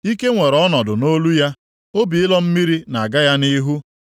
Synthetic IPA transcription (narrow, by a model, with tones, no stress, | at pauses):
i˦ke˦ŋʷe˨ɾɔ˦nɔ˨dʊ˨no˦lu˦ja˦ | o˦bi˨ɪ˦lɔ˦m̩˦mi˦ɾi˦na˨ɡa˦ja˦ni˦ɦu˦